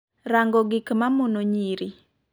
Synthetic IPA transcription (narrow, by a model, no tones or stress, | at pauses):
ɾaŋɡɔɡikmamonoɲiɾi